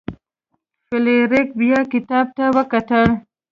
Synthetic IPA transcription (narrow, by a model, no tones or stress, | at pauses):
fɪleɾɪk̚bijɑkɪt̪ɑb̚t̪awəkat̪əɽ